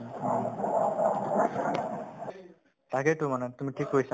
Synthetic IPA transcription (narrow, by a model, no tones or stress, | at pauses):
taɡɛtumanɛt̪umiʈʰikɦojsa